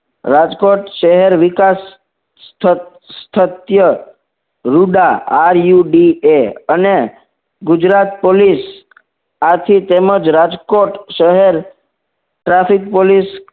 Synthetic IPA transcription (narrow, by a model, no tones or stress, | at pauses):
ɾad͡ʒkoʈʃəɦɛɾʋɪkas | t̪ʰː | t̪ʰət̪jə | ɾuɖaːɾjuɖieəne | ɡʊd͡ʒɾat̪̚polis | at̪ʰit̪eməd͡ʒɾad͡ʒkoʈʃəɦeɾ | ʈɾafikpolis